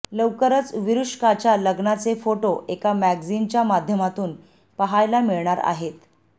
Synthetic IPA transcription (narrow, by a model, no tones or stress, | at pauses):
ləwkəɾət͡sʋiɾuʂkat͡ɕjaləɡnat͡sefoʈoʔekamæɡd͡zint͡ɕjamad̪ʱjəmat̪uːn | pəɦajlamiɭɳaɾa̰ɦet̪